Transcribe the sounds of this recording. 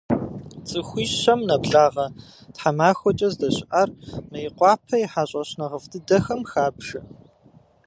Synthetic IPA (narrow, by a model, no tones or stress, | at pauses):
t͡sʼɨxʷiːɕɕɐmnɐbɮaːʁɐtħamaːxʷɔt͡ʃʼɐzdɐɕʔarmɐjɪqʷɑːpʰɐjiħaːɕʼɐɕnɐʁəfdʰɨdɐxɐmxaːbʒ̥ɐ